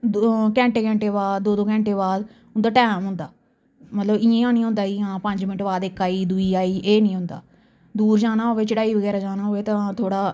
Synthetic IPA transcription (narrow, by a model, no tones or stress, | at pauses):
kɛ̃ːɳʈeːkɛ̃ːɳʈeːβaːd̪d̪oːd̪õːkɛ̃ːɳʈeːbaːd̪ | ʊnd̪aːʈɛːmɦʊ̃nd̪aː | mət̪ləbɪẽːãːnĩːɦʊ̃nd̪aːiːɦãːpə̃ɲd͡ʒmɪnʈʋaːd̪ɪkːaːiːd̪uiːaːiːʔeːnĩːɦʊ̃nd̪a̰ː | d̪uːɾd͡ʒaːnaːɦoːeːt͡ʃɪɽaːiːʋəɡɛːɾaːd͡ʒaːnaːɦoːʋeːt̪ãːt̪ʰoːɽaː